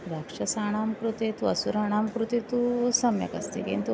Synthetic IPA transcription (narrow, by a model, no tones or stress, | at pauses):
ɾakʂɐsaːɳ̃aːmkɾut̪et̪uɐsuɾaːɳ̃aːmkɾut̪et̪usɐmjɐ̰kɐ̰st̪ḭkḭnt̪u